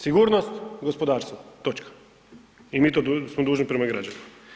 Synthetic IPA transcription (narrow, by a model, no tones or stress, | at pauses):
siɡuːɾnost̪ɡospod̪aːɾst̪ʋot̪ot͡ʃkḁ | imiːt̪od̪usmod̪uːʒnipɾemaɡɾaːd͡ʒanima